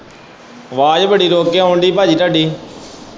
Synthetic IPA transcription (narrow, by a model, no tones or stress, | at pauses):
ʋaːd͡ʒbəɽiːɾoːkejãɦoːɳɖ̪iːpaːd͡ʒiːt̪aːɖiː